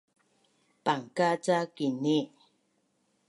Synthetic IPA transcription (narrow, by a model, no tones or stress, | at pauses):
paŋkat͡sakini